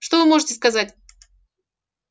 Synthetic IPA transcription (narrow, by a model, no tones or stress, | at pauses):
ʂt̪ovɨmoʐɨtʲɪskɐzatʲ